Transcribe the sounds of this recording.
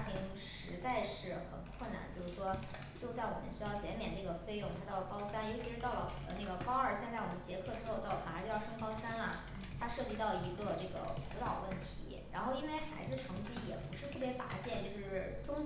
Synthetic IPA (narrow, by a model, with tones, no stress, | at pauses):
t̪ʰi˧˩n˧˥ŋʂɻ̩˧˥t͡sa˥˧ɪʂɻ̩˥˩xə˨˩nkʰwə˥˩na̰˧˩nt͡ɕjo˥˧ʊʂɻ̩˥˩ʂwɔ˥ | t͡ɕjo˥˧ʊsa˥˩ɪwɔ˨˩mə̰˦nɕy˥jɑ˥˩ʊt͡ɕjɛ˧˥nmjɛ˨˩nʈ͡ʂɤ˥˩ɡə˩fe˥˧ɪjʊ˥˩ŋt̪ʰa˥t̪ɑ˥˩ʊə˩kɑ˥ʊsa˥njo˧˥ʊt͡ɕʰi˧˥ʂɻ̩˧˥t̪ɑ˥˩ʊlə̰˩˨˩ə˦na˥˩ɡə˩kɑ˥ʊə˞˥˩ɕjɛ˥˧nt͡sa˥˩ɪwɔ̰˨˩mə˦nt͡ɕjɛ˧˥kʰɤ˥˩ʈ͡ʂɻ̩˥xo˥˧ʊt̪ɑ˥˩ʊlə˩ft͡ɕo˥˧jʂŋkɑ˥ʊsa˥nlɐ̰˨˩ | t̪ʰa˥ʂɤ˥˩t͡ɕi˧˥t̪ɑ˥˩ʊi˧˥ɡə˧ʈ͡ʂɤ˥˩ɡə̰˩fṵ˧˥t̪ɑ˥˩ʊwə˥˩nt̪ʰḭ˧˥ɻa̰˧˥nxo˥˩ʊi˥nwe˥ɪxa˧˥ɪd͡zɹ̩˧ʈ͡ʂʰɤ˧˥ŋt͡ɕi˥jɛ̰˨˩pu˧˥ʂɻ̩˥˧t̪ʰɤ˥˩pjɛ˧˥pa̰˧˥t͡ɕjɛ˥˩nt͡ɕjo˥˧ʊʂɻ̩˥˩ʈ͡ʂʊ˥ŋ